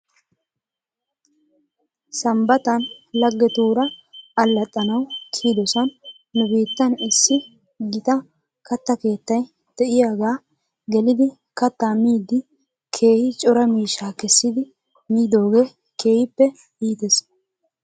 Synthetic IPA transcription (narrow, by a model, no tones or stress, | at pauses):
sɐmbɐt̪ɐnlɐɡːɛt̪uːɾɐɐlːɐt̪ʼːɐnɐwkʰiːd̪ɔsɐnː | ʊbiːt̪ːɐnɪsːɪ | ɡɪt̪ɐ | kɐt̪ːɐke̞ːt̪ːɐj | d̪̥ɛʔɪjaːɡaː | ɡɛlɪd̪ɪ | kɐt̪ːaːmiːd̪ːɪ | kʰe̞ːhɪt͡ʃʼɔɾɐmiːʃːaːkɛsːɪd̪ɪ | miːd̪o̞ːɡe̞ː | kʰe̞ːhɪpːɛ | iːt̪es